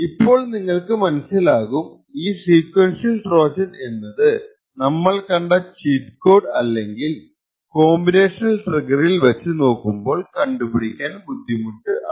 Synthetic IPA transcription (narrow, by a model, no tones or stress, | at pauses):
ipːo̞ːɭniŋːɐɭkɨmɐnɐsilaːɣum | iːsiːkwɐnʂijɐlʈro̞ːt͡ɕɐne̞nːɐðɨ | nɐmːɐɭkɐɳɖɐt͡ɕiːt̪ko̞ːɖɐlːe̞ŋɡil | ko̞ːmbine̞ːʂnɐlʈrɐɡɐrilʋɐt͡ɕːɨno̞ːkːumbo̞ːɭkɐɳɖupiɽikʲːaːnbud̪ʱːimuɳɖɨɐ̰